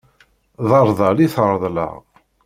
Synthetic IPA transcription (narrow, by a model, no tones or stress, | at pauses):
ðˤəɾˤðˤɑliθəɾˤðˤlə̰ʁ